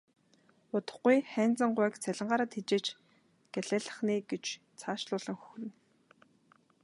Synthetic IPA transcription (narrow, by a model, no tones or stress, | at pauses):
ʊt̪ə̥̆χɡujχæːnt͡sə̆ɴɢʊːkt͡sʰæɮʲɪ̆ɴɢaːɾə̆ːt̪xit͡ɕeːt͡ɕ | ɡ̥æɮæːɮə̆χniːɡet͡ɕ | t͡sʰaːʃɮʊːɮə̆ŋxɵ̥x̆rɘ̆n